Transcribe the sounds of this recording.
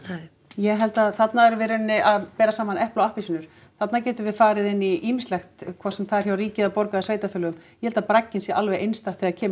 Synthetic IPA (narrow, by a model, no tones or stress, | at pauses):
jɛɦɛlt̪aθat̪naðɛɾvɪɾʏnːɪʔaðpɛːɾasaːmanɛhplawahpisʏnʏɾ̥ | θat̪nacɛːt̪ʏvɪðfaːɾɪðɪnːiʔiːmɪst̪lɛxt̪kʰvasɛmθaɾ̥çawriːcɪðapɔɾkaðasveːjt̪afʏːlʏɣʏmjɛhɛlt̪apɾacːɪnsjɛʔalvɛjʔejnst̪at̪θiːðaðcʰɛːm